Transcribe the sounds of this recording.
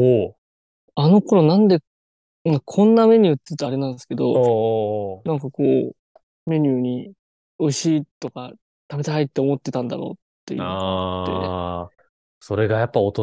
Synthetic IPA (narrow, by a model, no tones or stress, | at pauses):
o | ano̞ko̞ɾo̞nãnd̪e̞ | ɯŋkʰõ̞nːame̞ɲ̟ʲɨːt̪ːeiɯ̟t̪oaɾe̞nãnd̪sɨ̥ke̞d̪o̞o | nãŋkakoː | me̞ɲ̟ɨːɲ̟i | o̞iɕiːt̪o̞ka | t̪abe̞t̪ehait̪ːe̞o̞mo̞t̪ːe̞t̪ãnd̪a̰ɾo̰ːt̪ːe̞̰j̰ɯ̰t̪ːḛne | so̞ɾe̞ɡajapːaot̪o